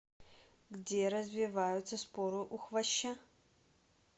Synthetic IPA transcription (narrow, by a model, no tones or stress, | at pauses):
ɡdʲeɾɐzvʲɪvajʊt̪sɐspoɾɨʔuxvɐɕːɐ